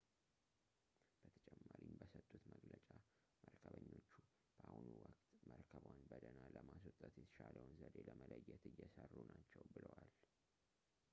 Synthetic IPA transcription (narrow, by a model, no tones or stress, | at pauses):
b̥ət̪ʰə̥t͡ʃʼɛmːaɾimbəsət̪ʼːut̪məɡlət͡ʃʼa | məɾkʰəβəɲːo̞t͡ʃːu | b̥əʔahunuwəkʼt̪məɾkʰəβwanbəd̪ənaləmas̬wɔt̪ʼːət̪jɛt̪ʰə̥ʃaləwnzəd̪eləmələjːɛt̪ɨjːɛsərːunat͡ʃːɛwbɨləwal